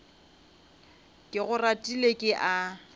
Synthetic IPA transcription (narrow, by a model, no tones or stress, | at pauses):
kʼɪɣʊratʼilekʼɪʔa